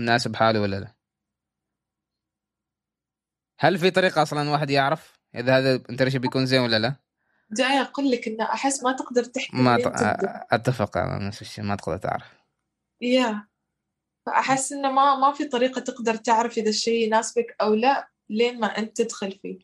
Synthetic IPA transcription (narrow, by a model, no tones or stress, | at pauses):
naːsɪbħaːlwalːala | halːfit̪ˤɑɾiːqɑʔɑsˤlɑnwaːħɪd̪jɪʕɾɑf | ʔɪ̰ðahaːðaʔɪnt̪aɾiʃibjakuːnzeːnwalːala | d̪ajʔaquːlːakʔɪnːaʔaħɪsːmat̪ɪqd̪ɑɾˤt̪ɪħkma | ʔat̪ːafɪqa̰ma̰nasɪʃːḛːmat̪ɪ̥qd̪ɑɾˤt̪ɪ̰ʕɾɑf | ja | faʔaħɪsːʔɪnːamamafit̪ˤɑɾiːqɑt̪ɪqd̪ɑɾˤt̪ɪʕɾɪfʔɪðaʃeːnaːsbakʔawlaʔ | leːnmaʔɪnt̪ːɪd̪xʊlfḭː